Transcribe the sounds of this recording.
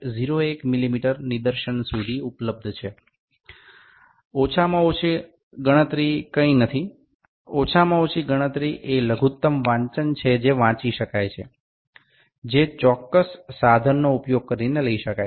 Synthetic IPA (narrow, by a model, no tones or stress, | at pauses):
ziɾoekmilimiʈəɾnid̪əɾʃəɳsud̪ʱiupləb̚d̪ʱt͡ʃʰe | ot͡ʃʰamãot͡ʃʰe | ɡəɽ̃ət̪ɾikəinət̪ʰi | ot͡ʃʰamãot͡ʃʰiɡəɽ̃ət̪ɾiʔeləɡʱut̪ːəmʋãɲt͡ʃənt͡ʃʰed͡ʒeʋãt͡ʃiʃəkajt͡ʃʰḛ | d͡ʒet͡ʃɔkːəsːad̪ʱənːoupjoɡ̚kəɾineləiʃəkaj